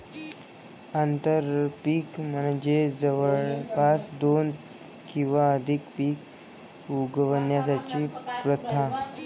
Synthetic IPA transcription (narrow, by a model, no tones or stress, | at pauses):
ant̪əɾpiːkmənd͡ʑed͡zəʋəɭpasd̪on | kĩw̃ʋaəd̪ʱikpiːk | uɡəʋənjas̬at͡ɕiːpɾət̪ʰa